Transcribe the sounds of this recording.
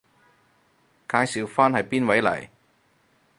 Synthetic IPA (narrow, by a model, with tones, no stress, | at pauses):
kaː˧jsiː˨wfaː˥nhɐ˨jpiː˥nwɐ˨˥jlɐ̰˨˩j